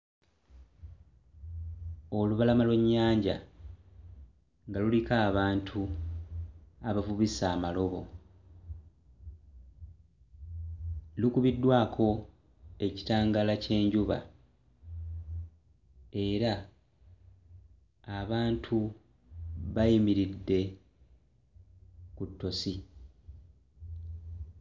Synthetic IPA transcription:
o̞luβalamalweɲːaːɲɟa̰ | ŋɡalulikaːβaːntʰu | aβavuβisaːmalo̞βo̞̰ | lukuβidːwaːkʰo̞ | e̞ci̥taːŋɡalace̞ːɲɟuβa̰ | e̞ɾa | βaːntʰu | βajimiɾidːe̞ | kutːo̞si

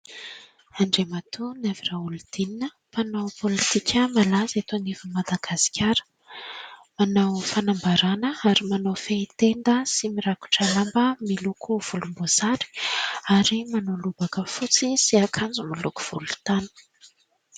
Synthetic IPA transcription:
aɳɖ͡ʐemat̪unaviraulud̪̥ininə | panawpolit̪ikʲəmalazet̪onivumad̪aɡasi̥kʲʰaɾə̥ | manawfanambaɾanəaɾimanawfeit̪end̪əsimiɾaku̥ʈ͡ʂəlambəmilukʰuv̥ulumboz̥aɾi̥aɾimanalubakəfut͡sisiakʰand͡zumiluku̥v̥ulu̥t̪anə̥

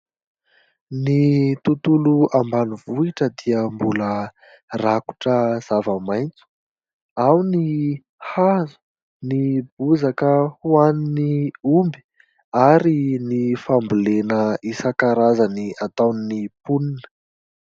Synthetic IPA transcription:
nit̪ut̪uluambaniv̥uiʈ͡ʂəd̪iəmbulə | raku̥ʈ͡ʂəz̥avəmajnt͡su̥ | awni | hazu̥ | nib̥uzakəhuaniniumbi̥ | aɾinifambulenəisakaɾazaniat̪awninipuninə̥

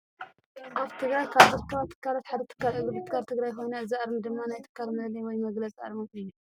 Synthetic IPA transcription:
ʔaβt̪ʰɨɡɾajkʰaβzɨɾkʰɐβat̪ʰːɨ̥kʰːalat̪ħad̪ɐt̪ʰɨ̥kːalɨɡɨbɨt̪ʰɨkʰaɾt̪ʰɨɡɾajxojnɐɨzɨʔaɾmd̪ɨmːanajt̪ʰɨ̥kʰːalmɐlɐlɐjwɔjmɐɡlɐt͡sʼʔa̰ɾmɨmɨjːu

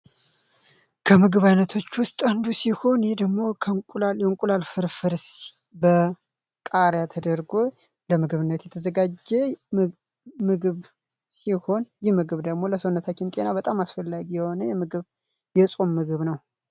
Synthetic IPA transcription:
kʰəmɨɡɨβajnət̪ʰo̞t͡ʃːwʊst̪ʼand̪usiho̞njɛd̪əɡmo̞kʰəkʼajɛŋkʼulalfɨɾfɨɾs | bə | kʼaɾjat̪ʰəd̪əɾɡo̞ | ləmɨɡɨβɨnːət̪jɛt̪ʰəzəɡad͡ʒːɛ | mɨɡɨβ | siho̞njɪmɨɡɨβd̪əɡmo̞ləsəwnːət̪ʰat͡ʃːɪnt̪ʼenabət̪ʼamasfəlːaɡijɛho̞nəjɛmɨɡɨβ | jɛsʼomːɨɡɨβnəw

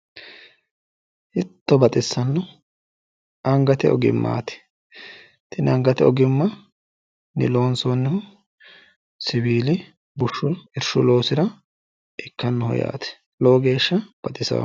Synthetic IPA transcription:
ʔɪt̪ːɔbɐt̪ʼɪsːɐnːɔ | ɐŋɡɐt̪ɛɔ̰ɡɪ̰mːa̰ːt̪ɛ̥ | t̪ɪnɐŋɡɐt̪ɛɔɡɪmːɐ | nɪ̰lo̞ːnsoːnːɛhʊ | sɪbiːlɪ | bʊʃːʊhɪɾʃʊlo̞ːsɪɾɐ | ʔɪkːɐnːʊhɔ̰ja̰ːt̪ɛ̥ | loːɡe̞ːʃːɐb̥ɐt̪ʼɪsɐ̰w̰

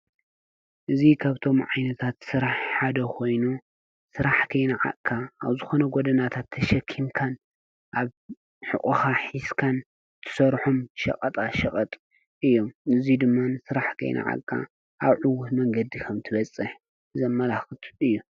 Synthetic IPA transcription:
ʔɨzikʰaβt̪ʰo̞mʕajnɐt̪ʰat̪sɨɾaħħad̪ɐkʰo̞jnu | sɨɾaħkʰɐjnaʕa̰kʼʰːaaβzɨxo̞nɐɡod̪ɐnat̪ʰat̪ʰːɐʃɐkʰːimkʰan | ʔaβ | ħɨ̰kʼuxaħiskʰan | t̪ʰɨ̥sɐɾħomʃɐ̰kʼɐt̪ʼaʃɐkʼɐt̪ʼ | ɨjːo̞mɨzid̪ɨmːansɨɾaħkʰɐ̰jnʔa̰ʕa̰kʼːa̰ | ʔaβʕuwut̪mɐŋɡɐd̪ikʰɐmt̪ʰɨβɐt͡sʼːɨħ | ɨzɐmːɐlaxɨt̪ʰɨjːu

